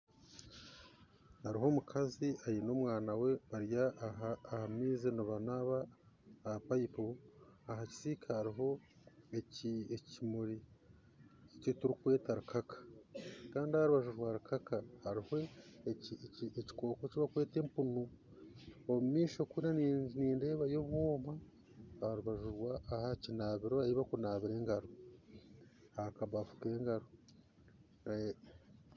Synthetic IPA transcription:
haɾiɦo̞mukʰaziajinoːmwaːnawe̞βaɾjaɦaːhamiːzinuβanaβaː | pajipoaɦaci̥sikʰahaɾiɦo̞ | eciecimuɾi | cotuɾikwe̞ːtaɾukʰakḁkaːndihaɾuβaʒuʒwaɾukʰakahaɾiho̞iieci̥ko̞ːkociβakwe̞ːte̞mpunu | omumiːʃo̞kunanniːnde̞ːβajo̞βwoːma | haɾuβaʒuɾwaːhacinaːβiɾoaiβakunaːβiɾe̞ːŋɡaɾo | hakaβafu̥ke̞ːŋɡaɾo | nae

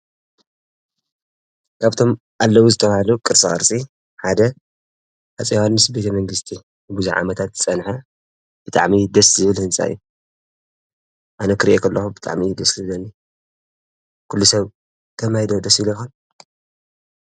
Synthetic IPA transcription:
kʰaβt̪ʰo̞m | ʔalːɐwuzɨt̪ʰɐβahɐlukʼɨɾsʼɨχʼɐ̰ɾsʼi | ħad̪ɐ | ħat͡sʼewanːɨsbe̞t̪ʰɐmɐŋɡɨst̪ʰi | nɨbuzuʕa̰mɐt̪ʰat̪zɨt͡sʼɐnħɐ | b̥ɨt̪ʼa̰ʕmid̪ɐszɨβɨlhɨnsʼa̰ɨjːu | ʔanɐkʰɨɾʔekʰɐlːɐxubɨt̪ʼa̰ʕmid̪ɐslɐnːi | kʰulːusɐβ | t̪ʰɐmajid̪od̪ɐsilojxon

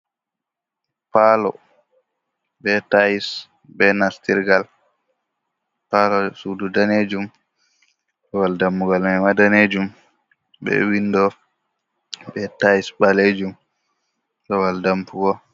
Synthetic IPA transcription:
palɔ̰ | bɛtajis | bɛnastiɾɡal | palɔsududaned͡ʒum | ɗɔwaldambuɡalmɛmadaned͡ʒum | bɛ̰winːdɔ | bɛtajisbaled͡ʒum | ɗɔwaldampuɡɔ

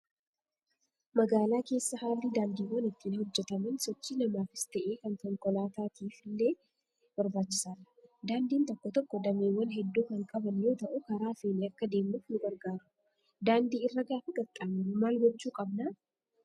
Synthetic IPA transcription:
mɐɡaːlaːke̞ːsːɐhaːlːɪd̪aːnd̪iːwːɐnɪt̪ːinɐhɔd͡ʒːɛt̪ɐmɐnsɔt͡ʃːiːnɐmaːfɪst̪ɐʔeːkɐŋkɔŋkʼɔlaːt̪aːt̪ʰiːfɪlːeː | bɐɾbaːt͡ʃːɪ̥saːɾɐ̥d̪aːnd̪iːnt̪ɔkːɔt̪ɔkːɔd̪ɐmeːwːɐnɦɛd̪ːuːkɐŋkʼɐbɐnjo̞ːt̪ɐʔʊkɐɾaːfeːniɐkːɐd̪e̞ːmuːfnʊɡɐɾɡaːɾʊ̥ | d̪aːnd̪iːɪrːɐɡaːfʊɡɐt̪ʼaːminʊmaːlɡɔt͡ʃːuːkʼɐbnaː

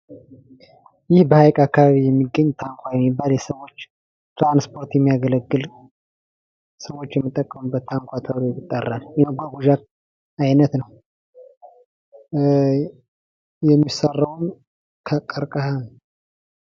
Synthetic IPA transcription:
jɪhbəhajkʼakːaβaβijɛmːiɡːəɲt̪ʰaŋkʷʰajɛmːibːaljɛsəwo̞t͡ʃː | t̪ʰɾanspʰo̞ɾt̪jɛmːijaɡələɡːɨl | səwo̞t͡ʃːjɛmːɨt̪ʼːəkʼːəmubət̪ʰːaŋkʷʰat̪ʰəwɾojɪt̪ʼːərːaljɛnəɡʷaɡuʒat | ajnət̪nəw | jɛmːisərːəwn | kʰəkʼːəɾkʼahan

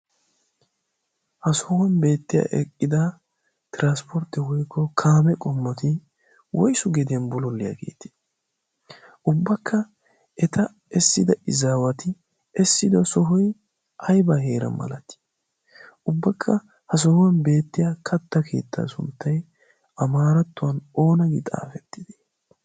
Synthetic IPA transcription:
hɐsɔhʊwɐnbe̞ːt̪ːɪja̰ːʔɛkʼːɪd̪ɐ | t̪ɪɾanspʰɔɾt̪ːɪwɔjkʰːɔkʰaːmɛkʼɔmːɔt̪ɪ | wɔ̰jsʊɡɛd̪ɪjɐnbʊlɔlːɪja̰ɡe̞̰ːt̪ɪ̥ | ʔʊbːɐkʰːɐ | ʔɛt̪ʰɐ | ɛsːɪd̪ɐʔɪzaːwɐt̪ɪ | ɛsːɪd̪ɔsɔɦɔj | ʔɐjbahe̞ːɾɐ̰nmɐ̰lɐt̪ːɪ̥ | ʊbːɐkʰːɐ | hɐs̬ɔhʊɐnbe̞ːt̪ːɪjakʰɐt̪ːɐkʰe̞ːt̪ʰːa̰ːsʊ̰nt̪ːɐj | ɐmaːɾɐt̪ːʊwɐno̞ːnɐɡɪ̰t̪ʼa̰ːfɛt̪ːɪd̪e̥

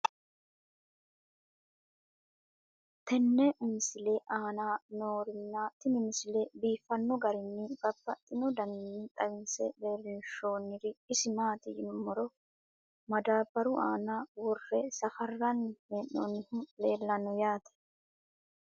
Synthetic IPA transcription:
t̪ʰɛnːɛʔɪmɪsɪleʔaːnaːnoːɾɪnːat̪ɪnɪmɪsɪleːbiːfɐnːɔɡɐɾɪnːɪbɐbːɐt̪ʼːɪnɔd̪ɐnnːɪt̪ʼɐwɪnsɛ̰beːɾɪnʃoːnːɪɾɪɪsɪmaːt̪ɪjɪnmːɔɾɔ | mɐd̪aːbɐɾʊʔaːnawɔɾːɛsɐfɐrːɐnheːnːo̰nːɪhʊleːlːɐnɔjaːt̪ɛ̥

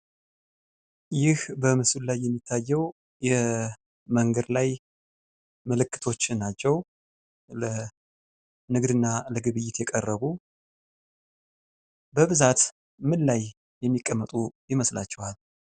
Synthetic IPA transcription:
jɪhbəmɨsullajːɛmːit̪ʰːajːɛw | jɛ | məŋɡəd̪laj | məlɨkːɨ̥t̪ʰo̞t͡ʃːɪnːat͡ʃːɛw | lə | nɨɡd̪ɨnːaləɡɨβɨjːɪt̪jɛkʼərːəβu | bəβɨzat̪ | mɨlːaj | jɛmːikʼːəmːət̪ʼujɪməsla̰t͡ʃːɛhal

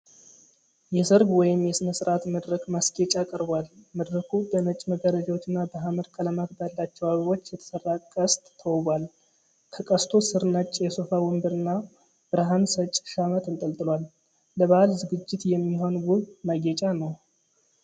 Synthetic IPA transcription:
jɛsɨɾɡwɔjɪmjɛsɨnəsɨɾat̪məd̪ɾəkmasɡet͡ʃʼakʼəɾbʷalməd̪ɾəkʰubənət͡ʃʼːməɡəɾəd͡ʒawot͡ʃːɨnːabəɦaməɾkʰʼələmaɡb̪alːat͡ʃːɛwaβiwo̞t͡ʃːjɛt̪ʰə̥sərːakʼəst̪ʼʰːəwbʷal | kʰəkʼəst̪ʰo̞sɨɾnət͡ʃʼjɛsofawɔmbɨɾɨnːa | b̥ɨɾaɦansət͡ʃʼʃamət̪ɨnt̪ʼəlt̪ʼɨlwalː | əβahalzɨɡɨd͡ʒːɪt̪jɛmːiɦo̞nwʊðmaɡɛt͡ʃʼanəw

